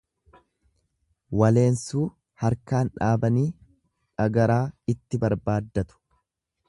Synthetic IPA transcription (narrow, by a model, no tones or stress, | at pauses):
wɐle̞ːnsuː | hɐɾkaːnᶑaːbɐniː | ᶑɐɡɐɾaːɪt̪ːɪbɐɾbaːd̪ːɐt̪ʊ̥